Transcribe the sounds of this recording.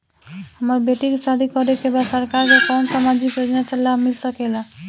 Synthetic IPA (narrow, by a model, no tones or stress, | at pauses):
hamaɾbeʈikesad̪ʱikɔɾekebasɔɾkaɾkekɔnsamad͡ʒikjod͡ʒnat͡ʃalːamilsɔkela